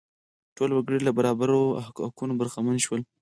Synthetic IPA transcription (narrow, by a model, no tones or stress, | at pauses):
ʈolwaɡəɽilabaɾɑbaɾokunobaɾxamanʃwəl